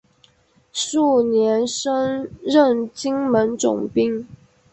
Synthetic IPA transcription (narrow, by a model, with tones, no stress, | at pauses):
ʂu˥˩njɛ˧˥nʂə˥ŋɻə˥˩nt͡ɕi˥ŋmə˧˦˥nt͡sʊ̰˨˩ŋpi˥ŋ